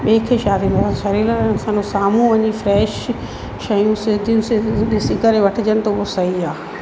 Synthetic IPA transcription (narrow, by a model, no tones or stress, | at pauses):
ɓeːkʰeʃaːd̪inɐsãʃɐɾiːlə̃sɐ̃nosaːmũʋɐɲifɾɛːʃ | ʃɐjũsɪd̪ʱijʊ̃sesɪɡəɾeʋɐʈʰɪd͡ʑənɪt̪ʰobosɐɦiaː